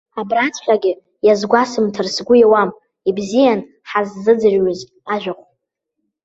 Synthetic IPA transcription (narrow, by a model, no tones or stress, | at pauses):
abrat͡sʰʼħʷᶣaɡʲɪ | jazɡʷasɨmtʰɨrsɡʷʊjawam | ibzijan | ħazːɨd͡zɨrɥʊz | aʒᶣʷaχʷ